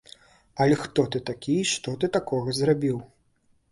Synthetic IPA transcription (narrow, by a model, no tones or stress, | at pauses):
ɐlʲɛxt̪ɔt̪ɨt̪akʲijʂt̪ɔt̪ɨt̪akɔɣɐzrabʲiw